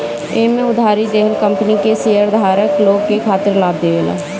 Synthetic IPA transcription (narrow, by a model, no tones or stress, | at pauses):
eːmẽːʊd̪ʱaːɾiːd̪eɦəlkəmpəniːkeːseːəɾd̪aːɾəkloːɡkeːkʰaːt̪əɾlaːb̚d̪eːʋeːla̰ː